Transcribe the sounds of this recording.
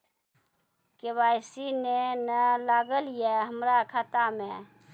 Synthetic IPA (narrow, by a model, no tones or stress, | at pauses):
kebajsinenəlaɡəlijeɦəmɾakʰat̪amẽ